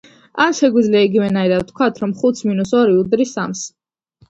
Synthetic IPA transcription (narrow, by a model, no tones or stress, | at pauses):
anʃɛɡwid̪zliaiɡivɛnaiɾad̪̚t̪ʰkʰwat̪ʰɾɔmχut̪sʰminusɔɾiud̪ɾisams